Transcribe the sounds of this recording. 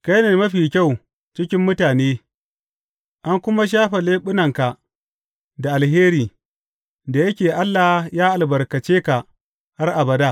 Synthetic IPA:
ka˦jne˨mɐ˦ɸiː˨kʲa˦˨w | t͡ʃɪ˦kʲɪ˦mːʊ˦taː˨neː˦ | ʔa˦ŋkʷʊ˦ma˦ʃ̬aː˦ɸe˨leː˦ɓʊ˦nɐ˨ŋka˨ʔ | da˨ʔa˨lheː˦ɾiː˨ | da˨jɐ˦kʲeː˨ʔa˦lːa˨hjaː˦ʔa˨lbɐ˨rkɐ˨t͡ʃeː˦ka˨ | ha˦rʔa˨bɐ˨daː˦˨

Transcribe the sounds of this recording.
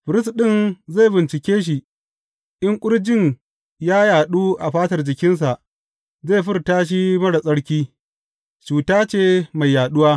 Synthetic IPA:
ɸɪ˨ɾɪ˦s̬ɗɪ˦˨nza˦˨bɪ˨nt͡ʃɪ˨kʲeː˦ʃ̬i˨ | ʔɪ˦ŋkʷʼʊ˦ɽd͡ʒɪ˦˨ɲ | jaː˦jaː˨ɗuː˦ʔa˨ɸaː˦tɐ˨rd͡ʒɪ˨kʲɪ˦ns̬a˨ʔ | za˦˨ɸɪ˦rtaː˦ʃ̬i˦mɐ˦ɽa˨sʼɐ˦ɽkʲiː˦ | t͡ʃuː˨taː˦t͡ʃeː˦˨ma˨jːaː˨ɗʊ˦waː˦

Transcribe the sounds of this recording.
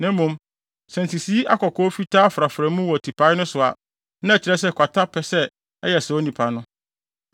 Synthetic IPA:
nɛ̃˦mũ˨˦m | sɛ̃˨nti˨si˦ʔa˦kɔ˨kʰɔː˦fi˦tʰaː˦fɾa˨fɾɛ̃˨˦mũ˦wɔ˨tʰi˨pʰa˦ɪ˦nʊ̃˦sʊ˨a̰˨ | nã˦æ˨t͡ɕʰɪ˦ɾɛ˦s̬ɛ˦kʰʷa˨tʰa˦pʰɛ˨sɛ˦ | ɛ˦jɛ˨sɛ˨o˦nĩ˨pʰa˨nʊ̃˦

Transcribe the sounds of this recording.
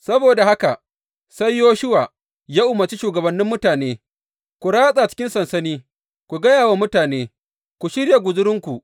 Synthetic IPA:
sɐ˦boː˨da˨ha˦ka˨ | sa˦jːoː˦ʃʊ˦waː˨ | jaː˦ʔʊ˦˨mɐ˨t͡ʃi˦ʃuː˨ɡɐ˨bɐ˨nːɪ˦mːʊ˦taː˨neː˦ | kʷu˨ɽaː˦sʼa˨t͡ʃɪ̥˦kʲɪ˦nsɐ˨nsɐ˦niː˦ | kʷu˨ɡɐ˦jaː˨wa˦mʊ˦taː˨neː˦ | kʷu˨ʃɪ˦ɾja˨ɡʷʊ˨zʊ˦ɾɪ˦ŋkʷu˨ʔ

